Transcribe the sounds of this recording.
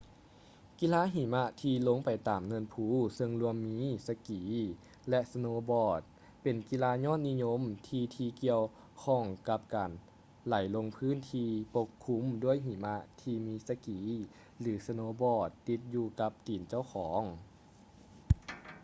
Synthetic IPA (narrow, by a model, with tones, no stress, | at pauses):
ki˧˨laː˧˥ɦiː˨˩˦ma˧˥t̪ʰiː˧lo˧˥˨ŋpa˨˩jt̪aː˨˩mnɤ˧˥ənpʰuː˧˩sɤ˧ŋlu˧əmːiː˧˥sa˧kiː˨˩˦ | lɛ˧ʔsa˧noː˧˦bɔː˧˩t̪̚ | pe˨˩nki˧laː˧˥ɲɔː˥˨n̚ni˧˥˨ɲo˧˥˨mt̪ʰiː˧t̪ʰiː˧ki˧əw | kʰɔ˧˩ŋka˧p̚kaː˨˩n | la˨˩˦jlo˧ŋpʰɯː˥˨nt̪ʰiː˧po˧kʰːu˧˥mdu˥˩əjɦiː˨˩ma˧t̪ʰiː˧miː˧˥sa˧kiː˨˦ | lɯː˩˦sa˧noː˧bɔː˧˩t̪ːi˧˥t̪̚juː˧ka˧˦p̚t̪iː˨˩nt͡ɕa˥˩wkʰɔː˩˦ŋ